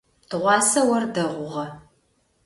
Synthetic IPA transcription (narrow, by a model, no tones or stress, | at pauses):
d̥ɨʁʷɑːsɐwɐrdɐʁʷʊʁɐ